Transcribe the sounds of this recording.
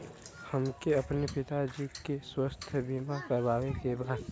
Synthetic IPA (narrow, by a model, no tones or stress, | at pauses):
həmkeɐpnepɪt̪ad͡ʒiːkeswəst̪ʰbiːmakəɾbaːʋẽkebaːɾ